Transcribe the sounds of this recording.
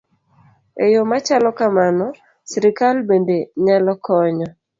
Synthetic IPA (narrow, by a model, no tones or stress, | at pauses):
ejomat͡ʃalɔkamanɔ | sɾikalbendeɲalɔkɔɲɔ